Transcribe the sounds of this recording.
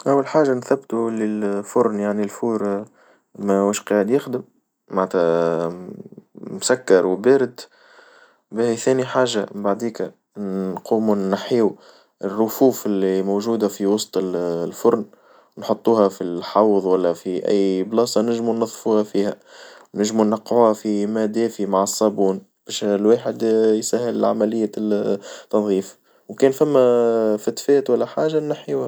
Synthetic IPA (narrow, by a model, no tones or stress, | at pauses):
ʔæwːalħaːʒanθæbːt̪ulɪlfʊɾnjaʕnilfuːɾ | mæwuːʃqɑːʕɪd̪jɪxd̪ɪmː | aʕt̪æ | msækːɑɾˤwbeːɾɪd̪ | bɪhiθɛːniħaːʒambaʕd̪iːk | quːmunːaħiːw | ʔɪrːʊfuːfɪlːimowʒuːd̪afiwɑsˤt̪ˤɪllfʊɾn | wnħot̪ˤːuːhɑfilħɑwðˤwælːæfiʔæ̰jːblɑːsˤɑnɪʒmunːɑðˤfuːhafiːhæwnɪʒmunːɑqːʕuːhæfimæd̪ɛːfimaʕɑsˤːɑbuːn | b̥ɛːʃlweːħɪd̪jsæɦːɪlɪlʕa̰mælɪjːa | t̪ːɑnðˤiːf | wkɛːnfæmːæfæt̪fɛːt̪wælːæħaːʒanːaħjuhæ